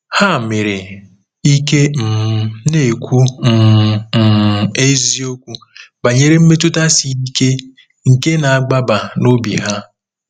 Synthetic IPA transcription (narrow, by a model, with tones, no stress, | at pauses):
ha˦˨me˨ɾe˨ | i˦ke˦m̩˨˦ne˦˨kʷu˦m̩˨m̩˨e˦zi˦o˦kʷu˦ | ba˨ɲe˦ɾe˦m̩˦me˦tʊ˦ta˦si˨i˦ke˦ | ŋ̩˨ke˦na˨a˨ɡ͡ba˦ba˨no˦bḭ˨ɦa˦